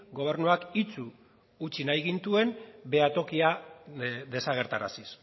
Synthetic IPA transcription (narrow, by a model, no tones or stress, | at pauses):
ɡo̞β̞e̞ɾnuakit͡suː | t͡ʃinajɣint̪ue̞nbe̞at̪o̞kia | ðe̞saɣ̞e̞ɾt̪aɾa̰sis